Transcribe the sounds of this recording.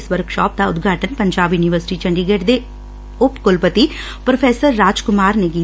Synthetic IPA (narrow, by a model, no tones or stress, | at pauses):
sʋɐɾkʃaːp̚d̪aʊd̪ɡʱaːʈɐnpɐɲd͡ʒaːbiniʋəɾsɪ̥ʈit͡ʃɐɳɖiɡeːɖd̪e | opkolpɐt̪i | pɾɐpʰeːsɐɾːaːd͡ʒkumaːɾneɡiː